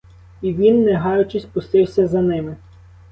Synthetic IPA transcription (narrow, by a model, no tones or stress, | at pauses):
iʋʲinːɛɦɑjʊt͡ʃɪsʲpʊst̪ɪwsʲɐzɐnɪmɪ